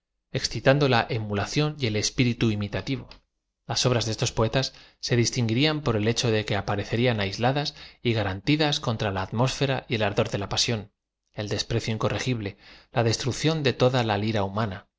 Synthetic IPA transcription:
e̞ksθit̪and̪o̞laʔemulaθjo̞nje̞le̞spiɾit̪uimit̪at̪iβo̞ | laso̞β̞ɾazðe̞st̪o̞spo̞e̞t̪asː | e̞ðist̪iŋɡiɾiampo̞ɾe̞le̞t͡ʃo̞ðe̞ke̞apaɾe̞θe̞ɾianajzlaðasiɣaɾant̪iðasko̞nt̪ɾalaːt̪mo̞sfe̞ɾaje̞laɾðo̞ɾðe̞lapasjo̞n | e̞ld̪e̞spɾe̞θjoiŋko̞rʔe̞xiβle̞laðe̞st̪ɾukθjo̞nd̪e̞t̪o̞ðalaliɾaumãna

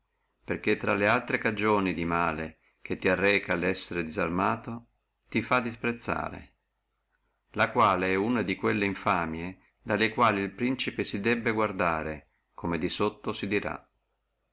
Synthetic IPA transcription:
perk̟et̪ːɾa̰lealt̪ɾekad͡ʒoːnid̪imaːle | k̟et̪ːiarːɛːkalɛsːeɾed̪izarmaːt̪o | t̪ifad̪ːispɾet̪sːa̰ːɾḛ | lakwaːleɛunad̪ikwelːeiɱfaːmje | d̪alːekwaːliːlpɾint͡ʃipesid̪ɛbːeɡward̪aːɾe | komed̪isot̪ːosid̪iɾa̰

